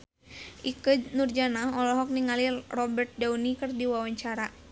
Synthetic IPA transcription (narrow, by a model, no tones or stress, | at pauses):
ʔikənurd͡ʒanaɦɔlɔɦɔk̚niŋalirɔbərt̪̚daunikɨrdiwawaɲt͡ʃaɾa